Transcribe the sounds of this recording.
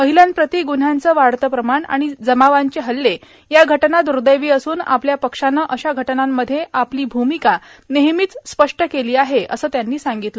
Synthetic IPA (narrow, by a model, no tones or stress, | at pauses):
məɦiljanpɾət̪iɡun̤ant͡səːʋaɽt̪əpɾəmaɳa̰ɽ̃id͡zəmaʋaɲt͡ɕeɦəlːe | jaɡʱəʈnad̪uɾd̪əjʋiːəsuːna̰pljapəkʂanəʔəɕaɡʱəʈnamːəd̪ʱːjeʔapliːbʱumikaneɦmiːt͡sspəʂʈəkeliːaɦeʔə̰səːt̪janːiːsaŋɡit̪lə